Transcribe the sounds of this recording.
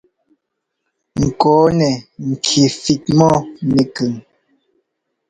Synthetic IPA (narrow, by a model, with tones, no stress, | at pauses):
ŋ̩˨kɔː˨˦nɛ˨ŋ̩˨kʰi˨fi˨t̚mɔ˦nɛ˨kə˨ŋ